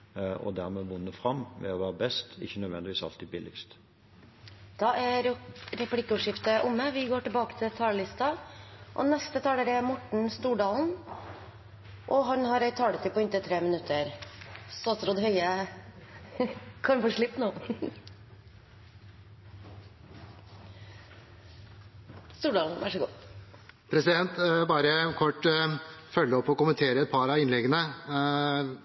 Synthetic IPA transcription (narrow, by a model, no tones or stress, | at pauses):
ɔ̰d̪æʁmɛʋʊnːəfɾɑmʋɛ̰ɔʋæːʁəbɛst̪ɪ̰çːənœd̪ʋɛnd̪ɪʋiːsɑ̰lt̪id̪bɪlɪɡst̪ | d̪̥ɑʔæɾɛpʰlɪkːəʉːʂɪft̪əʔʊmːəʋɪɡoːʈɪbɑːkə̥t̪ʰɪlt̪ʰɑːləlɪst̪ɑʔɔ̰nɛst̪ət̪ʰɑːləɾæmɔʈɳ̩st̪uːɖɑːln̩ | ʔɔɦɑɖn̩hɑɾæɪt̪ʰːɑːɽət̪ʰɪpɔɪnt̪ət̪ʰɾeːmənʉt̪ʰːəɾsɔɑt̪ɾɔd̪hœʏə | kʰɑnfɔːʂɭɪpːnoː | st̪uːɖɑːln̩ʋʔæ̰ʂəɡṵː | pʰɾɛsɪd̪ɛnt̪bɑːɾəkʰɔʈ | fœlːəɔpːɔkʊmənt̪ʰeːɾəɛt̪̚pʰɑɾɑɪnlɛɡənə